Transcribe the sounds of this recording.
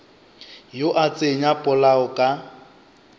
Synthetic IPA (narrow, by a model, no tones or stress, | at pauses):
joʔat͡sʼeɲapʼʊlaʊkʼa